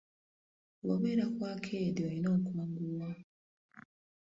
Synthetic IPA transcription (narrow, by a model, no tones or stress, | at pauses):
woβeɾakwaːkʰedioinoːkuaːŋɡuwa